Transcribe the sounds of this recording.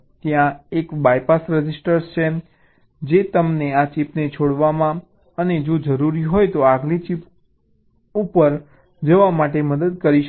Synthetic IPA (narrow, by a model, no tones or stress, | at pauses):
t̪jãekbajpasɾɛd͡ʒisʈəɾst͡ʃʰe | d͡ʒet̪əmneat͡ʃipnet͡ʃʰoɽʋamã | əned͡ʒod͡ʒəɾuɾiɦojt̪oaɡlit͡ʃip | upəɾ | d͡ʒəʋamaʈeməd̪əd̪̚kəɾiʃ